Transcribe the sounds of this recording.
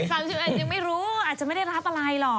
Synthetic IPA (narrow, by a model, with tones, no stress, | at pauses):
saː˧˩t͡ɕʰɯː˨˩ʔəː˧˩t͡ɕɯ˧ŋma˥˩jɾuː˦˥ʔaː˨˩t̪̚t͡ɕma˥˩a˥˩jɾaː˦˥p̚a˧la˧jlɔ˨˩